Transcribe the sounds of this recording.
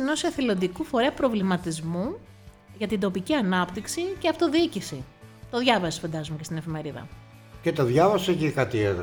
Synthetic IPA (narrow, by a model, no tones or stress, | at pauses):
nosɐθilo̞nd̪ikufo̞ɾeɐpɾo̞vlimɐt̪izmu | ʝɐt̪ind̪o̞piciɐnɐpt̪iksiceɐft̪o̞ðiicisi | t̪o̞ðʝɐvɐso̥fɐnd̪ɐzumecet̪ine̞fime̞ɾiðɐ̰ | cet̪oðʝɐvɐsoecikɐt̪ieð